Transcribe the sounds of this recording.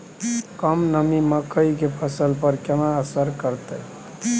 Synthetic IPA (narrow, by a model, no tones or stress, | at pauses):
kəmnəmiməkəjkepʰəsəlpəɾkenaəsəɾkəɾt̪əj